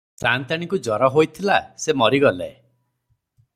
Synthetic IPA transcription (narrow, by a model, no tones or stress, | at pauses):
sant̪aɽ̃ikud͡ʒɔɾɔɦojt̪ʰilasemɔɾiɡɔlḛ